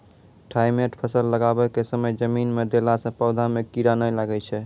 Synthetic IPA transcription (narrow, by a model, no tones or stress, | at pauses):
ʈʰajmeʈpʰəsəlːəɡabɛkesəməjd͡ʒəminmed̪elasə̃pəʊd̪ʱamekiɾanəjlaɡɛt͡ʃʰɛ